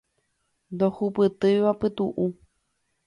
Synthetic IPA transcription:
nd̪ohupɨt̪ɨjʋapɨt̪uʔu

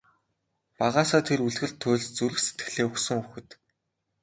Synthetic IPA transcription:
paʁaːsaːt̪ʰeruɮɣɘ̆ɮt̪ʰːʊːɮt͡suɾɘ̆kset̪̚ɡɘ̥̆ɮeːuxsɵ̆ŋuxɘ̆t̪

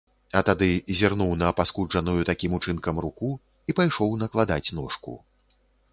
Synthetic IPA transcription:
ɐt̪ad̪ɨzʲɛrnuwnɐpaskuʐɐnujut̪akʲimut͡ʂɨnkɐmɾuku | ipajʂɔwnɐklˠad̪at͡sʲnɔʂkṵ

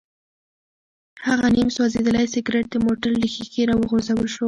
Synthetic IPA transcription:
haɣanimswɑzed̪əlajsɪɡɾeʈ̚d̪əmoʈalːəxiɡiɾɑwəɣozawəlʃwə

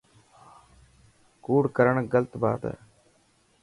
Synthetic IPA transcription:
kuːɽkəɾəɳɡəlt̪ba̰ːt̪ː

